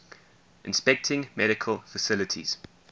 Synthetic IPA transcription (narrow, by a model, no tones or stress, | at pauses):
ʔɪ̃nspɛk̚tʰɪ̃ŋmɛɾɪkʰəlˠfəsɪlətʰḭz̥